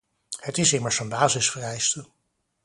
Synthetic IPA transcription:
hətɪsɪməɹsənbaːzɪsfərɛjstə

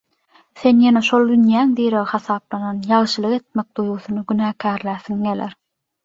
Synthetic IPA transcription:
θenjeneʃolˠd̪ynjæːŋd̪iːɾeɣxɑθɑːplˠɑnɑnjɑlʃɯlˠɯʁe̞t̪̚mek̚d̪̥ujɣuθunɯɡynæːkʰæːɾlæːθiŋɡeleɾ

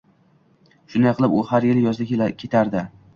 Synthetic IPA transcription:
ʃʊnd̪ajqʰɨlˠɪpʊhaɾjɪljɒzɪd̪akʲʰe̞t̪ʰaɾd̪ɪ

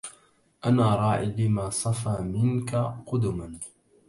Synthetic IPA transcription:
ʔanaːɾˤɑːʕɪlɪmaːsˤɑfaːmɪnkaqʊd̪ʊman

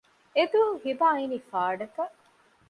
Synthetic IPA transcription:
ed̪uːhibaːinifaːɖɐt̪ɐʔ

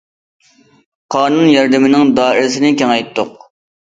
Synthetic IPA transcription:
qʰɑːnunjɑɾd̪ɪmɪnɪŋd̪ɑːiɾsɪnɪkʲɛŋɛjt̪ʰːʊq

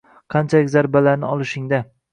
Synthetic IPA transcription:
qʰɑnt͡ʃʰalɪkʲzaɾbalaɾnɪɒlˠɪʃɪŋd̪a

